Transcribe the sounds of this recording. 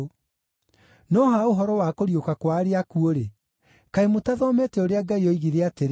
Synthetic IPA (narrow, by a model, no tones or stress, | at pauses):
nɔɦaoɦɔɾɔwakoɾjokakwaɾeakuoɾe | kaemotaðɔmetɛoɾeaɡaiɔiɣiɾeateɾ